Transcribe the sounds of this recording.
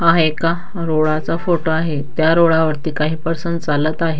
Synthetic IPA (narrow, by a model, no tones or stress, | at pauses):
aɦeka | ɾoɭat͡safoʈoaɦet̪jaɾoɭaʋəɾt̪iːkaɦiːpəɾsənt̪̚t͡salət̪aɦe